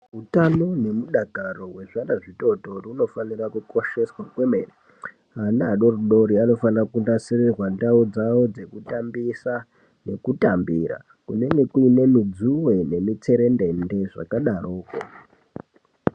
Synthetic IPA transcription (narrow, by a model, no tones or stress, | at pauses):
ɦutano̞ne̞muɗaɡʱaro̞we̞ʐandaʐito̞to̞runo̞fanirakuko̞ʃe̞swakwemeri | ɦanaːɗo̞ruɗo̞ɾiano̞fanrakundasirirwandaud͡zawo̞d͡ze̞kutambisa | ne̞kutambira̰ | kune̞ŋɡe̞kuine̞mid͡zuwe̞ne̞mit͡se̞ɾe̞nde̞nde̞ʐa̰kaɗaroːko